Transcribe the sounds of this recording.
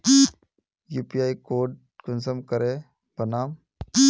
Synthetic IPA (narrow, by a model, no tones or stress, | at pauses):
juːpiaːikoːɖ̚ | kʊnsəmkəɾe | b̥ənaːm